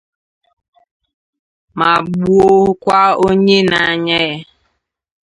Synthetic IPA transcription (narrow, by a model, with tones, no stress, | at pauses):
ma˨ɡ͡bu˦o˦ɦʊ˦kʷa˦o˦ɲe˦na˨a˨ɲa˦ja˦